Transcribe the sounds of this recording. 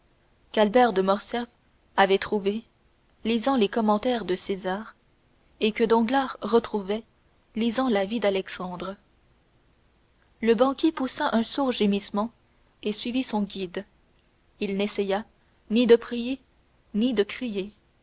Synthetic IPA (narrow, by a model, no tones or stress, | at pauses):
kalbɛʁd̪əmɔʁsjaf | avɛt̪χuve | lizɑ̃lekɔmɑ̃t̪ɛʁd̪əsezaːʁ | ekəd̪ɔ̃ɡlaʁʁət̪χuvɛ | lizɑ̃lavid̪alɛksɑ̃d̪ʁə | ləbɑ̃kʲipusaʔɛ̃suʁʒemismɑ̃ | esɥivisɔ̃ɡʲid̪ | ilnesɛja | nid̪əpχije | nid̪əkχije